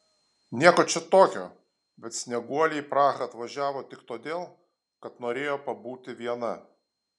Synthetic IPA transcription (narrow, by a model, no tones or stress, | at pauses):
nʲiɛkot͡ʃʲɛt̪oːkʲo̰ː | bʲɛt̪sʲnʲɛɡuɔlʲɛpɾɑːɣɐɐt̪ʋɐʒʲæːʋoːt̪ʲɪkt̪oːd̪ʲeːlˠ | kɐt̪noːɾʲeːjoːpɐbuːt̪ʲɪʋʲiɛnɐ